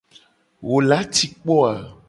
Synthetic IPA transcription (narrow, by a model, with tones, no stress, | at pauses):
wʔo˨la˦ti˦k͡pɔ˦a˨